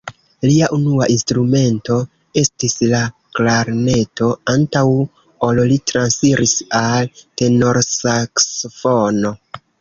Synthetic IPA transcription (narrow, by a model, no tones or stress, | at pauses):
liaʔunuaʔinstɾume̞nto̞ | e̞stislaklaɾne̞to̞antaw | ollitɾansfiɾʔisalte̞no̞ɾsaksofo̞no̞